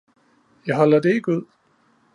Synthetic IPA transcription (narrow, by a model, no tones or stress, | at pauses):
jɑ̈ɪɦɒ̽lɐd̥e̝eɡ̥uð̰ˠ